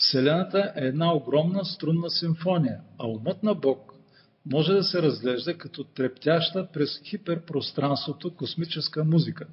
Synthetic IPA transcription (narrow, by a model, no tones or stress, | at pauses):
fsɛlɛnət̪əʔɛːd̪naoɡɾɔmnəst̪ɾunːəsiɱfɔnʲijəɐumɤt̪nɐbɔk | mɔʒɛd̪ɐsɛɾɐzɡlɛʒd̪ɐkɐt̪ɔt̪ɾɛpt̪ʲaʃt̪əpɾɛsxipɛɾpɾost̪ɾanst̪vot̪okosmit͡ʃɛskəmuzikə